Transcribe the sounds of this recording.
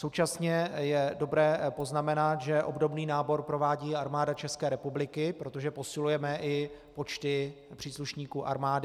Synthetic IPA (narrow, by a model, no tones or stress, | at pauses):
sowt͡ʃasɲɛjɛdo̞bɾɛːpo̞znamɛnat̪ʒɛʔo̞̰bdo̞bniːnaːbo̞ɾpɾo̞vaːɟiːaɾmaːdat͡ʃɛskɛːɾɛpublɪkɪpɾo̞t̪o̞ʒɛpo̞sɪlujɛmɛʔɪpo̞t͡ʃt̪ɪ | pr̥iːsluʃɲiːkuːʔa̰ɾmaːdɪ